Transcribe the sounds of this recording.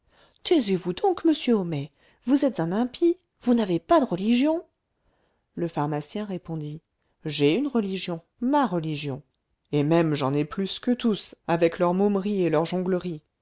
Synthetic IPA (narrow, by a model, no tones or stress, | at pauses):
t̪ɛzevud̪ɔ̃kməsjøɔmɛ | vuzɛt̪z̥ɛ̃nɛ̃pʰi | vunavepad̪əʁəliʒjɔ̃ | ləfaʁmasjɛ̃ʁepɔ̃d̪i | ʒɛynʁəliʒjɔ̃ | maʁəliʒjɔ̃ | emɛmʒɑ̃nɛplyskət̪usavɛklœʁmomʁielœʁʒɔ̃ɡləʁi